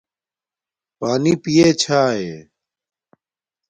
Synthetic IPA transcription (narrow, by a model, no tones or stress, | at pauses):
paːniːpijeːt͡ɕʰaːɦḛː